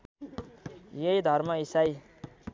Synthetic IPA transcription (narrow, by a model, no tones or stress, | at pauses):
jʌjd̪ʱʌrmʌisaj